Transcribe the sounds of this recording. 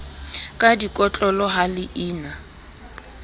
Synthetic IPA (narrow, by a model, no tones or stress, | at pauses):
kʼadikʼɔt͡ɬʼɔlɔɦalɪʔiːna